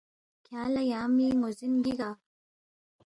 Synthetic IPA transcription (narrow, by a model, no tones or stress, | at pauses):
kʰalajaːmiŋozinɡiɡa